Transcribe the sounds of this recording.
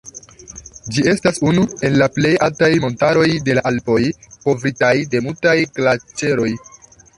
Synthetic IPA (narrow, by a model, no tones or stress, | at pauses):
d͡ʒie̞stasunue̞nlaple̞jaltajmo̞ntaɾo̞jde̞laʔalpo̞jko̞vɾitajde̞multajklat͡ʃe̞ɾo̞j